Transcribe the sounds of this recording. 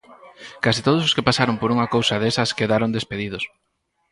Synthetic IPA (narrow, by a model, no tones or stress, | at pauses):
kasit̪oðʊs̬oskepasaɾompoɾuŋakowsɐðesɐskeðaɾond̪espeðið̞os